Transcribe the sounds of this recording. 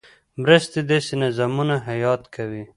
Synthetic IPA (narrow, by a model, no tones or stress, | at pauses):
mɾəst̪ed̪esinazamunaɦajɑt̪kʰawi